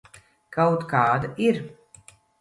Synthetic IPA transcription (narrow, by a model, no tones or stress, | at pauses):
kawt̪kaːd̪aʔiɾ